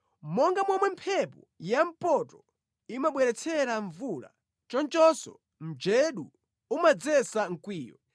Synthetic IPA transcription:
mɔŋɡamwɔmwɛmpʰɛpɔ | jam̩pɔtɔ | imaɓwɛɾɛt͡sʰɛɾaɱvula̰ | t͡ʃɔnt͡ʃɔsɔ̰ | m̩d͡ʒɛɗu | umad͡zɛsaŋ̩kwiːjɔ̰

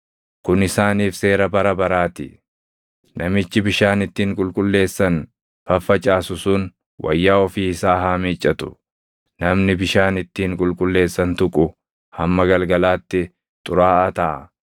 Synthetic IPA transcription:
kʊnɪsaːniːfse̞ːɾɐbɐɾɐbɐɾaːt̪ɪ̰ | nʔɐmɪt͡ʃːɪbɪʃaːnɪt̪ːiːŋkʼʊlkʼʊlːe̞ːsːɐn | fɐfːɐt͡ʃʼaːsʊsuːn | wʔɐ̰jːaːɔfiːɪsaːɦaːmiːt͡ʃʼːɐt̪ʊ̥̰ | nɐmnɪbɪʃaːnɪt̪ːiːŋkʼʊlkʼʊlːe̞ːsːɐnt̪ʊkʼʊ | hɐmːɐɡɐlɡɐlaːt̪ːɪ | t̪ʼʊɾaːʔɐt̪ɐʔɐ̰

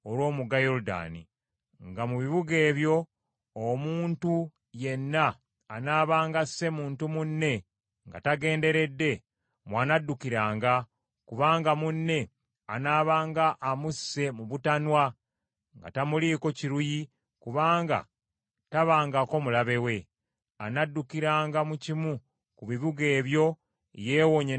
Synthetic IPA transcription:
oɾwo̞ːmuɡajoɾuda̰ːnḭ | ŋɡamuβiβuɡe̞ːβjo̞ː | muːntu | je̞nːaː | naːβaːŋɡasːe̞muːntumunːe̞ | ŋɡa̰taɡe̞ːnde̞ɾe̞dːe̞ | mwanadːukiɾaːŋɡa | kuβaːŋɡamunːe̞ | anaːβaːŋɡaʔːmusːe̞muβutanwa | ŋɡa̰tamuliːko̞ciɾuji | kuβaːŋɡa̰ | taβaːŋɡako̞mulaβe̞we̞ | anadːukiɾaːŋɡamucimu | kuβiβuɡe̞ːβjo̞ | je̞ːwoɲe

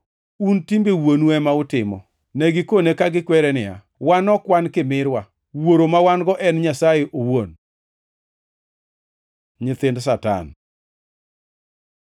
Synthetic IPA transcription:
untimbewonuɛmaʊtɪmɔ̰ | nɛɡɪkonekaɡɪkwɛɾɛnɪa̰ | wanɔkwankɪmɪɾwa | woɾomawanɡɔʔɛnɲasajeʔowon | ɲɪt̪ɪnds̬ata̰n

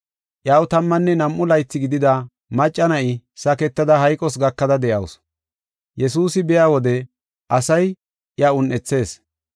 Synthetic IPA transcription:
ʔjaːwt̪ɐmːɐnːɛnɐmʔʊlɐjt͡sːɪɡɪd̪ɪd̪ɐ | mɐt͡ʃʼːɐnɐʔɪsɐkɛt̪ːɐd̪ɐɦɐjkʼɔsɡɐkːɐd̪ɐd̪ɛʔɐ̰ws | jʔɛsuːsɪbɛjaːwɔd̪ɛ | ʔɐsɐj | jɐʊnʔɛt͡sːe̞ːs

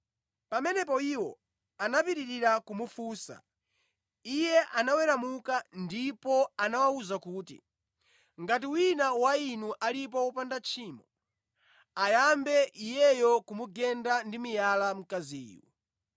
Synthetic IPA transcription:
pamɛnɛp̬ɔiwɔ | anapiɾiɾiɾakumufuːsa̰ | ijɛʔanawɛɾamukandipɔanawauzakuːtḭ | ŋɡat̬iwinawainuʔalip̬ɔwɔpandat͡ʃʰiːmɔ | ajambɛʔijɛjɔkumuɡɛndandimijalam̩kaziḭːwɔ̰

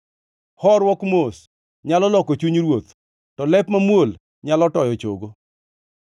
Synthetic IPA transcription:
hɔɾwɔkmos | ɲalɔlɔkot͡ʃuɲɾwot̪ | tɔlɛpmamwol | ɲalɔtɔjɔt͡ʃo̰ɡo

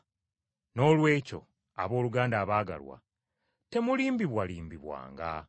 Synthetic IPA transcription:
no̞ːlwe̞ːco̞̰ | a̰βo̞ːluɡaːndaːβaːɡa̰lwa̰ | te̞muliːmbiβwaliːmbiβwa̰ːŋɡa̰

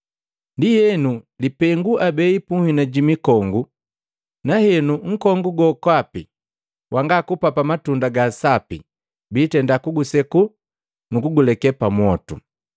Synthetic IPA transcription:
ndijɛnulipɛŋɡuʔabɛipuhinaɟimikɔŋɡu | nahɛnuŋ̩kɔŋɡuɡɔkwapi | wʔaŋɡakupapamatundaɡasapḭ | biːtɛndakuɡusɛku | nukuɡulɛkɛpamwɔtṵ

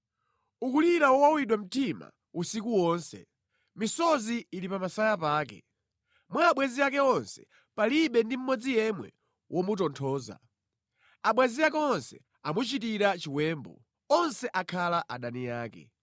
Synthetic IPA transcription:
ukuliɾawɔwawiɗwam̩tima̰ | usikuwɔːnsɛ̰ | misɔziːlipamasajapaːkɛ̰ | mwaːɓwɛziakɛɔnsɛ̥ | paliɓɛndim̩mɔd͡zijɛmwɛ̰ | wʔɔmut̬ɔntʰɔːza̰ | aɓwɛziak̬ɛɔnsɛ | amut͡ʃitiɾat͡ʃiwɛːmbɔ̰ | ɔnsɛʔakʰalaʔaɗanijaːkɛ̰

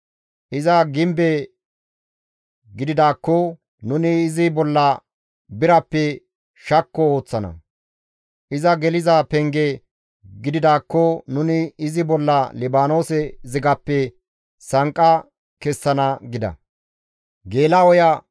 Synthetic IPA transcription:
ʔɪzɐɡɪmbe | ɡɪd̪ɪd̪aːkːɔ | nʊnɪːzɪbɔlːɐ | bɪɾɐpːɛ | ʃɐkːɔo̞ːt͡sːɐnɐ̰ | ʔɪzɐɡɛlɪzɐpɛŋɡɛ | ɡɪd̪ɪd̪aːkːɔnʊnɪːzɪbɔlːɐlɪbaːno̞ːsɛzɪɡɐpːɛ | sɐŋkʼːɐ | kɛsːɐnɐɡɪd̪ɐ̰ | ɡe̞ːlɐɔjɐ

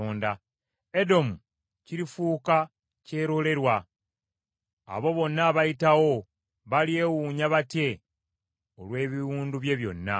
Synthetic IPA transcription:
oːnda | edo̞mu | ciɾifuːka | ce̞ːɾo̞le̞ɾwa | a̰βo̞βo̞nːaβajitawo̞ | βalje̞wuːɲaβatje̞ | olwe̞ːβiɾuːnduβje̞βjo̞̰nːa̰

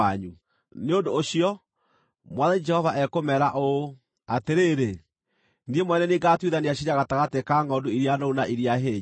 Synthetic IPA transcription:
aɲu | neondoːɕiɔ | mwaðaid͡ʒɛhɔvaʔɛkomɛɾaʔo | ateɾeːɾe | niemwɛnɛneɡatwiðaniaɕ̬iɲaɣataɣatekaŋɡɔnduiɾjanounaʔiɾiaɦeː

